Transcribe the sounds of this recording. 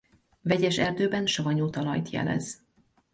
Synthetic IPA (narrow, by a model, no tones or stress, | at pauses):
vɛɟɛʃɛrd̪øːbɛnʃɒvɒɲuːt̪ɒlɒjt̪jɛ̰lɛ̰z̥